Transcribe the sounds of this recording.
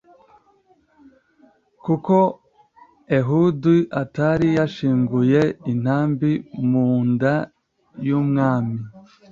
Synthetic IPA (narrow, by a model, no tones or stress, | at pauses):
kuko̞ | eɦudiʔataɾijaʃiːŋɡuje̞in̥haːmbimuːnda | jumŋaːmi